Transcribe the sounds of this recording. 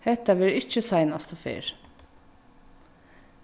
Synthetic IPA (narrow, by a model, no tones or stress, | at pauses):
hɛt̪ːaʋɪɾɪt͡ʃːəsɑɪnast̪ɔfḛːɹ